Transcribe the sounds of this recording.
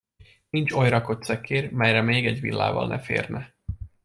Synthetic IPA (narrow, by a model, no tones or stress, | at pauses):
nint͡ʃo̞jrɒko̞t̪sɛkːeːrmɛjrɛmeːɡɛɟʋḭlːa̰ːvɒ̰lnɛ̰fḛːrnɛ